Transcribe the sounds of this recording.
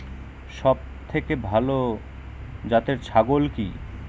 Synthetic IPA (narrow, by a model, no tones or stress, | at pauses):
ʃɔb̚t̪ʰekebʱalo | d͡ʑat̪eɾt͡ɕʰaɡolki